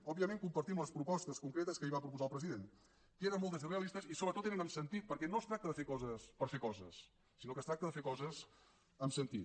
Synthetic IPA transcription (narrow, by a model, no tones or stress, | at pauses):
ɔbiəmeŋkumpəɾt̪imunəspɾupɔst̪əskuŋkɾet̪əskəiβapɾup̬uzaəlˠpɾəziðen | keɾənmolˠt̪əzəreəlist̪əsisoβɾət̪ot̪enənəmsənt̪it̪̚pəɾkɛnost̪ɾak̚t̪əðəfekɔzəspəɾfekɔzəsː | inokəst̪ɾak̚t̪əðəfekɔzəz | əmsənt̪it̪